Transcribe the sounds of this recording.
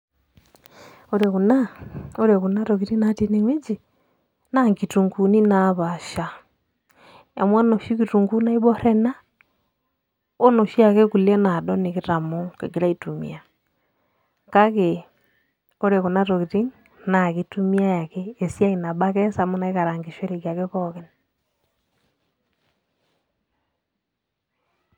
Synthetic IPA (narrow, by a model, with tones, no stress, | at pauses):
o˦ɾe˨ku˨na˦o˦ɾɛ˨ɣu˨na˦ɾoɣi˨ɾi˦na˨ti˦ne˨ŋwe˦d͡ʒi˨ | naŋɡi˨tu˨ŋɡu˨ni˦naβaʃa˨ | e˨mwa˦nɔ˨ʃi˦ki˨tu˨ŋɡu˦na˦i˦βɔ˦ɾɛ˦na˦ | o˦nɔ˨ʃi˦a˨kɛ˦ku˨lɛ˦na˨dɔ˦ne˨ki˦ɾa˨mo˦kḛ˨ɡi˨ɾa˦itu˨mḭa˨ | ka˦ɣe | o˦ɾeɣo˨na˦ɾokiɾi˦ŋ | na˨ɣetumi˦a˦ja˨kɛː˨sja˦i˨na˨ɓa˦kɛ˦samo˦na˨ika˨ɾa˨ŋɡe˨ʃwe˦ɾeɣja˨keβɔɣɛ˦n